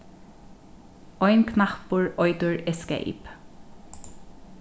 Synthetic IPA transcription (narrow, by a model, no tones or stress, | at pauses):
ɔʏnkʰnɑhpʊɹɔʏd̪ʊɹɛskæ̰ʔɪ̰p